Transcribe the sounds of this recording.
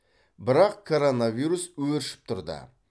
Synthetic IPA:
bɪɾɑqkʰo̞ɾo̞navijɾuswɵɾɪʃɪ̥p̚t̪ʰʊɾd̪ə̰

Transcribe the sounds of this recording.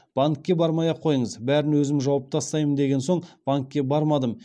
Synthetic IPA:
b̥aŋkʲːe̞bɑɾmɑjɑqʰːo̞jəɴəzbæɾɪnwɵzɪmʒɑwɑp̚t̪ʰɑst̪ɑjmənd̪e̞ɡʲe̞nso̞ɴb̥aŋkʲːe̞bɑɾmɑd̪əm

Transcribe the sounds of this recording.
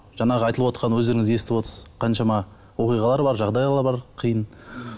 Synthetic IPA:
ʒ̥ɑɴɑʁəɑjt̪əlˠəpwot̪qɑnwɵzd̪e̞ɾɪŋɪze̞sɪt̪ɪpwot̪əsəzqʰɑnʃɑmɑ | wo̞qijʁɑlˠɑɾbɑɾʒɑʁd̪ɑjllˠɑɾbɑɾqʰəjən

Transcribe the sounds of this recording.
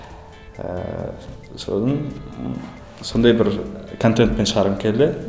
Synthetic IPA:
so̰sn | sond̪ɑjbɪɾkʰont̪ent̪̚penʃɑɾəmkʲʰele

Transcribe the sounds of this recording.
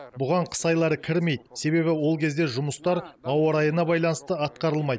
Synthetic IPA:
bʊʁɑɴqʰə̥sɑjlˠɑɾəkʲʰɪɾme̞jd̪se̞βe̞βɪwo̞lˠkʲʰe̞zd̪e̞ʒʊməst̪ɑɾɑwɑɾɑjənɑbɑjlˠɑnəst̪əɑt̪qɑɾəlˠmɑjd̪

